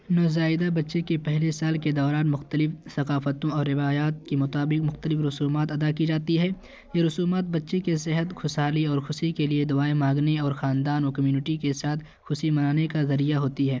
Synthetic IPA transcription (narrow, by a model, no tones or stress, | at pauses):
noːzaːɪd̪abɐtːʃekepɛɦlesaːlked̪ɔːɾaːnmʊxt̪əlɪfsɐqaːfət̪õɔːɾːɪʋaːjaːt̪̚kemʊt̪aːbɪqmʊxt̪əlɪfɾʊsuːmaːt̪ɐd̪akid͡ʒaːt̪iɦɛː | jeɾʊsuːmaːt̪̚bɐtːʃekes̬ɪɦət̪xʊsaːliɔːɾxʊʃikelied̪ʊaːemãːŋɡneɔːɾxaːnd̪aːnɔːkɐmjuːnɪʈikesaːt̪ʰ | xʊʃimɐnaːnekazɐɾijaɦoːt̪iɦɛː